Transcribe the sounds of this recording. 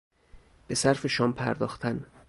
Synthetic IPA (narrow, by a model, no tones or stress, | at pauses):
b̥e̞sæɾfe̞ʃɒːmpʰæɾd̪ɒ̰ːxt̪ʰæn